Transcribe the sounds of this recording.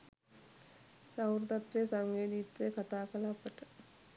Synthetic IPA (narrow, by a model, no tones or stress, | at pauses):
sawɾd̪at̪ʋejəsaŋɡeːd̪it̪ɾejkat̪aːkəlapəʈə